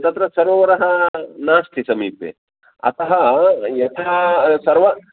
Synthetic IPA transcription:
t̪ɐt̪ɾɐsɐɾoːɐɾɐɦɐnaːst̪ʰisɐmiːpjḛ | ɐ̰t̪ɐɦɐjɐt̪ʰɐsɐɾʋɐ

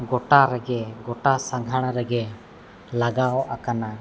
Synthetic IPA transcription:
ɡɔʈaɾɛɡɛɡɔʈasaŋɡʱaɽ̃ɾɛɡɛ | laɡaɔʔakana

